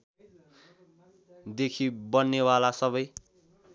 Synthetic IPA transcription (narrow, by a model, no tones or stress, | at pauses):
d̪ekʰibʌnːewalasʌβʌj